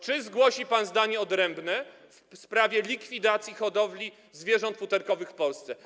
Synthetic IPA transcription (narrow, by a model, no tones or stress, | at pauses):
t͡ʂɘzɡwɔɕipanzd̪aɲɛɔd̪ɾɛmbnɛ | fspɾavʲjɛlʲikfʲid̪at̪sʲjixɔd̪ɔvlʲi | zvʲjɛʐɔnt̪fut̪ɛɾkɔvɘxfpɔlst̪sɛ